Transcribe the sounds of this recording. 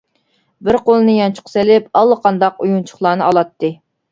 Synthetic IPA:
bɪɾqolˠɨnɨjɑnt͡ʃʰʊ̥qʰselɪpɑlˠːəqʰɑnd̪ɑqujunt͡ʃʰʊ̥χlˠɑːnɨɑlˠɑt̪ʰːɨ

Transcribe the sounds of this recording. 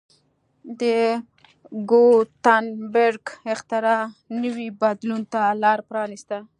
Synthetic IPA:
d̪ə | ɡot̪anbeɾɡɪxt̪ɪɾɑnəwibad̪lunt̪alɑɾpɾɑnist̪a

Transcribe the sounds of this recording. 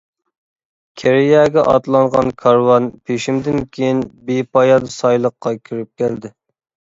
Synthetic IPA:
kʲʰeɾijɛɡʲɛʔɑ̰t̪lˠɑŋʁɑnkʰɑɾwɑnpʰeʃimd̪ɪnkʲʰejinbepʰɑjɑd̪ɨsɑjlˠəqːɑkʲʰyɾyp̚kʲæld̪ɪ

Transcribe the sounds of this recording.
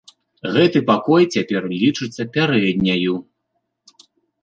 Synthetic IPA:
ɣɛt̪ɨpakɔjt͡sʲapʲɛrlʲit͡ʂɨt̪sʲːɐpʲaɾɛd̪ʲnʲɐju

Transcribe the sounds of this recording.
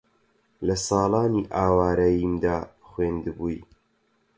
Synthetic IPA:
lɐsɑːlɑːniːʔaːwaːɾɐjiːmd̪aːχweːnd̪ɨbuːj

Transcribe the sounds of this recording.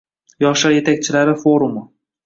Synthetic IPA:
jɒχʃaɾje̞t̪ʰak̚ʲt͡ʃʰɪlaɾɪfoɾumʊ

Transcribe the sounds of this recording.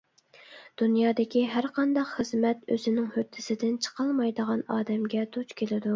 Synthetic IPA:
d̪̥unjɑːd̪ɪkʲiɦæɾqɑnd̪ɑqχəzmɛt̪øzɪnɪŋhøt̪ʰːɪsɪd̪ɪnt͡ʃʰə̥qʰɑlˠmɑjd̪əʁɑnɑːd̪ɛmɡʲɛd̪ut͡ʃkʲelɪd̪u

